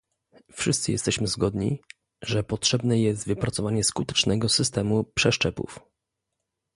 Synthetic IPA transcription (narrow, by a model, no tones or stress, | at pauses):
fʂɘst̪sɘjɛ̰st̪ɛɕmɘzɡɔd̪ɲḭ | ʐɛpɔtʂɛbnɛjɛs̬t̪vɘpɾat̪sɔvaɲɛskut̪ɛ̥t͡ʂnɛɡɔsɘs̬t̪ɛmupʂɛʂt͡ʂɛpṵf